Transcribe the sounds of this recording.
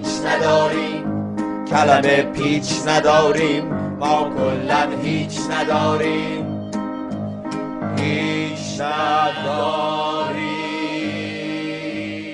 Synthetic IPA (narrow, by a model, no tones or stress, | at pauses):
t͡ʃnæd̪ɒːɾiːm | cʰælæmepʰiːt͡ʃnæd̪ɒːɾiːmː | ɒːkʰolːænɦiːt͡ʃʰnæd̪ɒːɾiː | m | hiːt͡ʃnæd̪ɒːɾi